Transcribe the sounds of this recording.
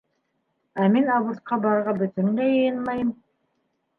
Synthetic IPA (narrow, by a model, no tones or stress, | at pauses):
æminɑβŭɾt̪̚qɑbɑɾʁɑbɵ̆t̪ɵ̆ŋɡæjɤjɤnmɑjɤm